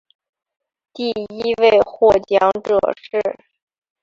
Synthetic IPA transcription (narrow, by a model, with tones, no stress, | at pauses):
t̪i˥˩i˥we˥˧ɪxwɔ˥˩t͡ɕjɑ˧˥ŋʈ͡ʂɤ̰˨˩ʂɻ̩˥˩